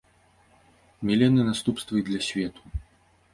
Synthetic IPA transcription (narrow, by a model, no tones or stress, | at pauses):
mʲɛlʲɛnɨnast̪upst̪vɐjid̪lʲɐsʲvʲɛt̪ʰu̥